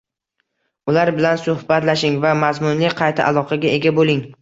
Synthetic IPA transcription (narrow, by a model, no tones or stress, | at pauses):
ʊlaɾbɪlansʊhbat̪laʃɪŋvamazmʊnlɪqʰɑjt̪ʰa̰ʔa̰lˠɒqʰɑɡʲaʔe̞ɡʲabolɪŋ